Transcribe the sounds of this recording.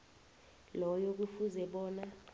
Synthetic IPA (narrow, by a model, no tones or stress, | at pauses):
lɔjok̬ufuzɛɓɔːna